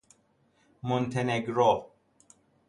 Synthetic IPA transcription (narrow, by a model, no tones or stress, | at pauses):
mont̪ʰeneɡɾɔ